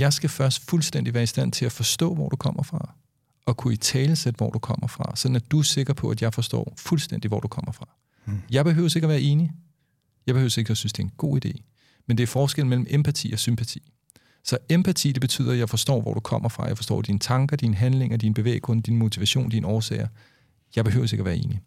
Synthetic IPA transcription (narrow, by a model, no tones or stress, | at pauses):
jɑ̈ɪsɡ̥æfɶɐsd̥fulsd̥endiʋæːɐisd̥æn̰t͡sʰe̝læfɒ̽sd̥ɔ̰̽ːʋɒ̰d̥ukʰɒ̽m̰ɐfʁɑ̈ | ʔɒ̽kʰuit͡sʰɛːləsed̥ʋɒ̰d̥ukʰɒ̽m̰ɐfʁɑ̈sɒ̽d̥n̩æd̥use̝ɡ̥ʁɐpʰɒ̽ʔæd̥jɑ̈ɪfɒ̽sd̥ɒ̰ːfulsd̥en̰d̥iʋɒ̰d̥ukʰɒ̽m̰ɐfʁɑ̈ | jɑ̈ɪb̥e̝ɦø̰ʊse̝ɡ̥ɐɒʋæːɐe̝ːni | jɑ̈ɪb̥e̝øʊse̝ɡ̥ɒsynsd̥e̝ɐenɡ̥o̝̰ːid̥e̝̰ː | mend̥e̝æɐfɒːsɡ̥elmel̰m̩ʔempʰæt͡sʰḭːɒ̽sympʰæt͡sʰḭː | sɒ̽empʰæt͡sʰḭːd̥e̝b̥e̝t͡sʰy̰ð̰ˠɐjɑ̈ɪfɒ̽sd̥ɒ̰ːʋɒ̰ɾ̥ukʰɒ̽m̰ɐfʁɑ̈jɑ̈ɪfɒ̽sd̥ɒ̰ːd̥inət͡sʰɑ̈ŋɡ̥ɐd̥inəɦænle̝ŋɐd̥inəb̥e̝ʋḛːɡ̥ɔnəd̥inəmo̝t͡sʰiʋæɕo̝̰ːnd̥inəɒːsɛ̰ːɪɐ | jɑ̈ɪb̥e̝ɦø̰ʊse̝ɡ̥ɐʋæːɐe̝ːni